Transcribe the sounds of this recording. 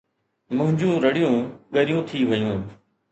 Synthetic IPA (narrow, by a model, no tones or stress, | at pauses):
mʊ̃ɦɪ̃ɲd͡ʒũːɾəɽijũːɠəɾɪjũːt̪ʰiːʋəjũː